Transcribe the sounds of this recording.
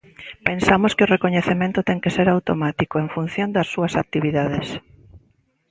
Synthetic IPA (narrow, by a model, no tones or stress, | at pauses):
pensamoskeorekoɲeθemẽnt̪ʊt̪ɛŋkeseɾawt̪omat̪ikoeŋfun̟θjond̪ɐsːuɐsak̚t̪iβiðað̞es